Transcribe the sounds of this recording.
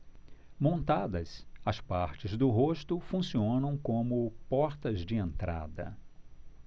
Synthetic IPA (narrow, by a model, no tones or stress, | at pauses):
mõnt̪ad̪ɐsɐspaɾt͡ʃɪzd̪ʊɦoʃt̪ʊfũsiõnɐ̃w̃kõmʊpɔɾt̪ɐzd͡ʒɪẽnt̪ɾa̰d̪ɐ̰